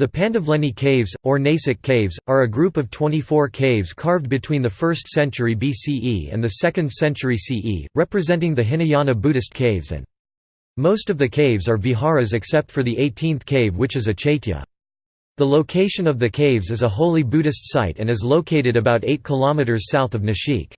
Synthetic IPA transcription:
ðɨpʰæ̃ntɨvlɛ̃nikʰeɪvzə˞neɪsɨkʰeɪvzə˞ɨɡɹʉpʌv̥tʰw̥ɛ̃ñifɔɹkʰeɪvz̥kʰɑɹvd̚bɨtʰw̥ĩnðɨfɜ˞stsɛ̃nt͡ʃə˞ibisiʔḭɨ̰̃nðɨsɛkɨ̃nd̥sɛ̃nt͡ʃə˞isiʔḭɹɛpɹɨzɛ̃ntɪ̃ŋðɨɦɪ̃niɑ̃nɨbʉɾɨst̚kʰeɪvzɨ̰̃n | moʊstʌvðɨkʰeɪvzə˞viɦɑɹɨzɨksɛp̚tfə˞ðiʔeɪtʰĩnθkʰeɪvwɨt͡ʃɨzɨt͡ʃʰeɪɾə̰ | ðəloʊkʰeɪʃɨ̃nʌvðɨkʰeɪvzɨzəɦoʊlˠibʉɾɨstsaɪɾɨ̃nɨzloʊkʰeɪɾɨɾɨbaʊɾeɪt̚kʰəlɑmɨɾə˞z̥saʊθʌvnɨʃḭk

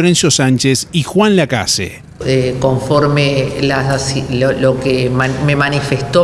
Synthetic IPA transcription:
ɾensjosant͡ʃesixwanlaka̰sḛ | ekoɱfoɾmelasasolokemmemanifest̪o

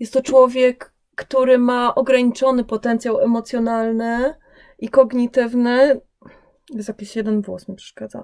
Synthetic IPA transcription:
jɛst̪ːɔt͡ʂwɔvʲjɛkː | t̪uɾɘmaʔɔɡɾaɲit͡ʂɔnɘpɔt̪ɛnt̪sʲjawɛmɔt̪sʲjɔnalnɘ | ikɔɡɲit̪ɘvnɘ | jɛsjakʲiɕjɛd̪ɛnvwɔsmʲipʂɛ̥ʂkad̪za̰

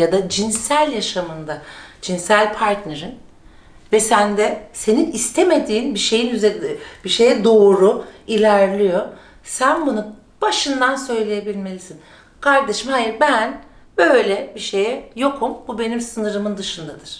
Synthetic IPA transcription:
jad̪ad͡ʒinsælʲjaʃamɯnd̪ad͡ʒinsælʲpʰaɾt̪neɾin | vɛsænd̪ɛse̞ninist̪ʰeme̞d̪iːnbiʃe̞jinyzɛbiʃe̞jɛd̪o̞ːɾuilʲæɾlʲijo̞ | sænbunu | b̥aʃɯnd̪ansø̞jlʲejebilʲme̞lʲisin | kʰaɾd̪eʃɯmhajiɾbæn | bø̞jlʲɛbiʃejɛjo̞kʰumbube̞nimsɯnɯɾɯmɯnd̪ɯʃɯnd̪ad̪ɯɾ̥

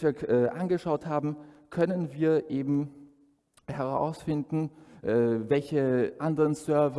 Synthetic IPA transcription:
viːɐʔɛːʔa̰nɡəʃaʊthaːbm̩kʰœnənviːɐʔeːbm̩ | hɛʁa̰ʊsfɪndn̩ʔɛːvɛlçəʔandəʁənsœɐv

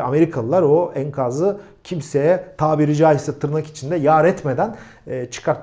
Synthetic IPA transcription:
ame̞ɾikʰalˠɯlˠaɾo̞æŋkʰazɯ | cʰimse̞jɛt̪ʰaːbiɾid͡ʒaːjisɛt̪ʰɯɾɯnaki̥t͡ʃʰind̪ɛjaːɾɛt̪me̞d̪ænː | t͡ʃʰɯ̥kʰaɾt̪

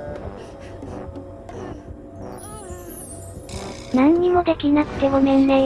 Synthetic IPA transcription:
nãɲːimo̞d̪e̞kʲinakɯ̟̥t̪e̞momẽ̞nːẽ

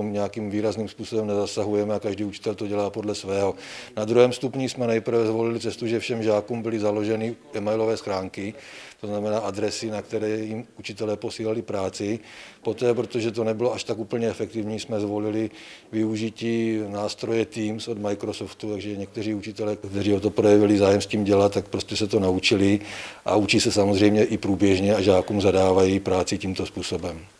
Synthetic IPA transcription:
mɲɛjakiːmviːɾazniːmspuːso̞bɛmnɛzasaɦujɛmɛakaʒdiːut͡ʃɪ̥t̪ɛlt̪o̞ɟɛlaːpo̞dlɛsvɛːɦonad̪ɾuɦɛːmst̪upɲismɛnɛjpr̩vɛzvo̞lɪlɪt͡sɛst̪uʒɛfʃɛmʒaːkuːmbɪlɪzalo̞ʒɛnɪʔɛmajlo̞vɛːsxɾaːŋkɪt̪o̞znamɛnaːʔad̪ɾɛsɪnakt̪ɛɾɛːjimut͡ʃɪt̪ɛlɛːpo̞siːlalɪpɾaːt͡sɪpo̞t̪ɛːpɾot̪o̞ʒɛt̪̬o̞nɛbɪloaʃt̪akuːpl̩ɲɛɛfɛkt̪ɪvɲiːsmɛzvo̞lɪlɪ | vɪuʒɪciːnaːst̪ɾo̞jɛt̪iːmsod̪majkɾosoft̪ut̪aɡʒɛɲɛk̚t̪ɛriːut͡ʃɪt̪ɛlɛːkt̪ɛriːot̪̬opɾojɛvɪlɪzaːjɛmsciːmɟɛlat̪t̪ːak̚pɾo̞scɛsɛt̪o̞naut͡ʃɪlɪʔa̰ut͡ʃisɛsamozr̝ɛjmɲɛʔɪpɾuːbjɛʒɲɛaʒaːkuːmzadaːvajipɾaːt͡sɪciːmt̪o̞spuːso̞bɛm

